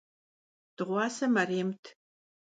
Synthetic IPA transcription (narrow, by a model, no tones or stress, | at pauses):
d̥ɨʁʷɑːsɐmɐreːmtʰ